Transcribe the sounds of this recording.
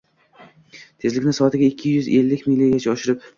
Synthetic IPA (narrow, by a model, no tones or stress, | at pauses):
t̪ʰe̞zlɪkʲnɪsɒat̪ɪɡʲaɪkʲʰːɪjʏze̞lːɪkʲmilʲːiɡʲat͡ʃʰaɒʃɪɾɪp